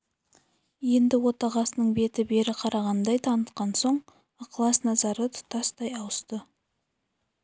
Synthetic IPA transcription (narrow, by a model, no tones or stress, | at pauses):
je̞nd̪ɪwo̞t̪ɑʁɑsənəɴbe̞t̪ɪbe̞ɾɪqʰɑɾɑʁɑnd̪ɑjt̪ʰɑnət̪qɑnso̞ɴ | qʰlˠɑsnɑzɑɾət̪ʰʊ̥t̪ʰɑst̪ɑjɑwəst̪ə